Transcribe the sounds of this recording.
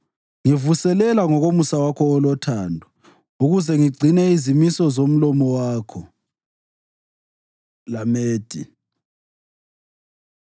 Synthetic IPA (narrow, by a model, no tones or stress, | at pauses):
ŋivusɛlɛlaŋɔɣomusawakʰɔːlɔtʰaːndʱɔ | uɣuzɛŋiɡ͡ǀʱinɛizimisɔzom̩lɔmɔwaːkʰɔ | lameːd̥ʱḭ